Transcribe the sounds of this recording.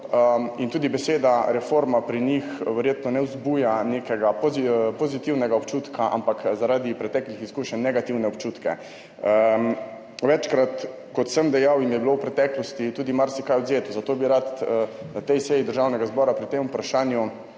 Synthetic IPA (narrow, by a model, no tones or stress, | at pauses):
əint̪uːd̪ibɛseːd̪aɾɛfoɾmapɾinixʋɛɾjeːt̪nɔnɛwzbuːjaneːkɛɡapɔpɔzit̪iwnɛɡaɔpt͡ʃuːt̪kʰaʔa̰mpakzaɾaːd̪ipɾɛt̪ɛklixiskuːʃənːɛɡat̪iwnɛɔp̚t͡ʃut̪kɛ̰ | ʋɛt͡ʃkɾat̪ | kɔt̪səmd̪ɛjawimjɛbilowpɾɛt̪ɛklɔst̪it̪uːd̪imaɾsikajɔd̪zeːt̪uzat̪oːbiɾat̪ːnat̪ɛjsɛːjid̪əɾʒaːwnɛɡazbɔːɾapɾit̪emupɾaʃaːnju